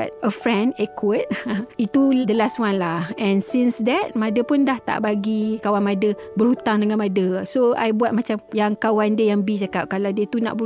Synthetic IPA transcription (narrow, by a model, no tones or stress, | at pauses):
t̚əfɹɛ̃ndɛkwət̚it̪udəlastwanlahɛ̃nsinsdɛt̚mãdəpʊndaht̪a̰ʔbaɡikawanmadəbəɾhut̪aŋdəŋãnmadəsoa̰jbuat̪̚mãt͡ʃamjaŋkawandiəjaŋbit͡ʃakap̚kalawdiət̪una̰ʔbə